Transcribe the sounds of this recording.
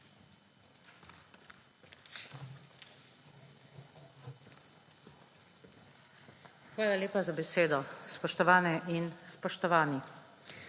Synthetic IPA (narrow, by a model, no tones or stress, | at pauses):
xʋaːlaleːpazabɛseːd̪ɔspɔʃt̪ɔʋaːnɛʔinspɔʃt̪ɔʋaːni